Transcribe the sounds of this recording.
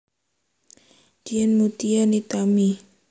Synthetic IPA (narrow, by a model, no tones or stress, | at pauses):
d͡ʒ̥iɛnmut̪ianit̪ami